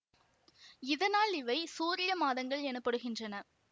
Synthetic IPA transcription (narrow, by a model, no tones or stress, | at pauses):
ɪðɐnaːlɪʋɐɪsuːɾɪjɐmaːðɐŋɡɐɭɛnɯpːɐɽɯɣɪndrɐnɐ